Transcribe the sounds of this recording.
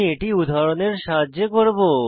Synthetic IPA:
eʈiud̪ʱaɾoneɾʃaɦadːʑekoɾbo

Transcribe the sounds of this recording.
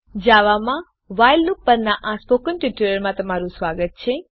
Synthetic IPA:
d͡ʒaʋamã | ʋajllupːəɾnaʔaspokənʈiʈələɾmãt̪əmaɾũsʋaɡət̪̚t͡ʃʰe

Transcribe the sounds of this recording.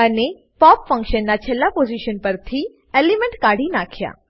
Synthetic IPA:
əne | pɔpfə̃ŋkʃənːat͡ʃʰelːapoziʃənpəɾt̪ʰi | elimeɳʈkaɽinakʰja̰

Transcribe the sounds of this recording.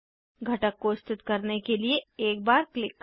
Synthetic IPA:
ɡʱɐʈəkːoɪst̪ɪt̪kɐɾnekelieeːk̚baːɾklɪkː

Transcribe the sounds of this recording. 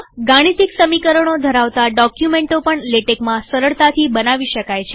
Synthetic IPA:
ɡãɽ̃it̪iksəmikəɾəɳ̃od̪ʱəɾaʋt̪aɖɔkjumeɳʈopəɳleʈekmãsəɾəɭt̪at̪ʰibənaʋiʃəkajt͡ʃʰe

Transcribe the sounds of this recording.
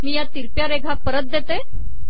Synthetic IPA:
miːjat̪iɾpjaɾeɡʱapəɾət̪̚d̪et̪e

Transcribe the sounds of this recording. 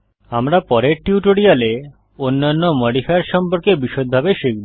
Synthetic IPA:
amɾapɔɾeɾʈiuʈoɽiale | onːanːomɔɖifaaɾʃɔmpoɾkebiʃod̪̚bʱabeʃek̚bi

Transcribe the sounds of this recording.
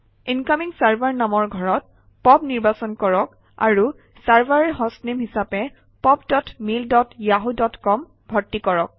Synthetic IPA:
inkamiŋsaɹbʱaɹnamɔɹɡʱɔɹɔt̚ | pɔbniɹbasɔnkɔɹɔk | a̰ɹu | saɹbaɹɛɦɔsnimɦisapɛ | pɔbdɔtmildɔtjaɦudɔtkɔm | bʱɔɹtːikɔɹɔk̚

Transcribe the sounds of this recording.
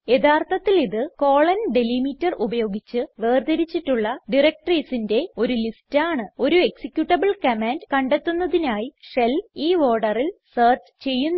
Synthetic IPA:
e̞d̪aːrt̪ʰɐt̪ːiliðɨko̞ːɭɐnɖelimitːɐrʔubɐjo̞ːɡit͡ɕːɨʋeːrd̪ɐɾit͡ɕːiʈːuɭːɐɖirek̚ʈriːsinde̞o̞ɾulistaːɳɨo̞ɾue̞ksikʲːjuʈːɐbɐɭkɐmaːndkɐɳɖet̪ːunːɐðinaːjiʂeliːʋo̞ːɖɐrilsɐːrt͡ɕt͡ɕe̞jːunː

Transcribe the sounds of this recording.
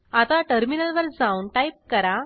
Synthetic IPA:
at̪aʈəɾminəlʋəɾd͡zaunʈajp̚kəɾa

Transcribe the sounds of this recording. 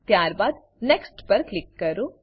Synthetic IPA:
t̪jaːɾbaːd̪ | neksʈpɐɾklɪkːɐɾoː

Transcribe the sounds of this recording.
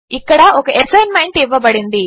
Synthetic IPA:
ikːɐɽɐʔɔkɐʔesɐjnmɐjɳʈiʋɐbɐɽind̪i

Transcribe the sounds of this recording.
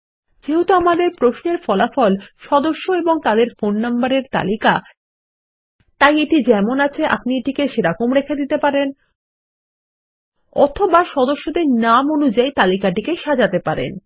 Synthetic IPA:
d͡ʑeɦot̪oamad̪eɾpɾoʃneɾfɔlafɔlʃɔd̪oʃːoeboŋt̪ad̪eɾfonːambaɾeɾt̪a̰lika | t̪ajeʈid͡ʑɛmonat͡ɕʰeʔa̰pnieʈikeʃeɾakomɾekʰed̪it̪epaɾen | ɔ̰t̪ʰobaʃɔd̪oʃːod̪eɾnamonud͡ʑajt̪alikaʈikeʃad͡ʑat̪epaɾḛn

